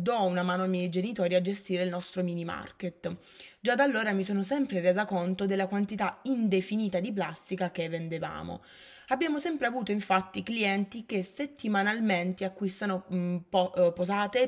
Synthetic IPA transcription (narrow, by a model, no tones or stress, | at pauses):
d̪ɔunamaːnoajmːjɛjd͡ʒenit̪ɔːɾiad͡ʒest̪iːɾeilnɔst̪ɾomiːnima̰rket̪ː | d͡ʒad̪alːoːɾamisoːnosɛmpɾereːzakont̪od̪elːakwant̪it̪aind̪efiniːt̪ad̪ip̬last̪ikakevːend̪eva̰ːmo̰ | abːjaːmosɛmpɾeavuːt̪oiɱfat̪ːikliɛnt̪ikeset̪ːimanalment̪eakːwist̪anopɔpozaːt̪e